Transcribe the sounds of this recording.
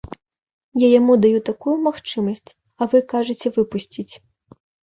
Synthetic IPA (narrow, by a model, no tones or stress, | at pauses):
jajamud̪ajut̪akujumaxt͡ʂɨmɐsʲt͡sʲ | ɐvɨkaʐɨt͡sʲɛvɨpusʲt͡sʲit͡sʲ